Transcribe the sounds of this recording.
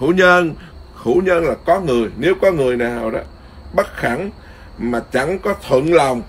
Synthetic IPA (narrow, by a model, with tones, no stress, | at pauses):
u˧˥˦ɲə˧n | xṵ˧˩˦ɲə˧nlaː˨˩kɔ˨˦ŋɨ˨˩əjne˨˦wkɔ˨˦ŋɨ˨˩əjnaː˨˩˨wɗɔ̰˨˦ | ɓə˦˥t̚xa˧˦ŋ | maː˨˩t͡ɕa˧˩ŋkɔ˨˦t̪ʰwə̰˧˨nla˨˩wŋ͡m